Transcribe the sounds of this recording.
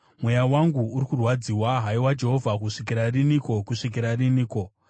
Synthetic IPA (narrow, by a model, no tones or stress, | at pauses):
mwe̞jawaŋɡuːɾikurwad͡ziwaɦaiwad͡ʒe̞ɦo̞vʱakuʂikiɾariniko̞kuʂik̬iɾariniːko̞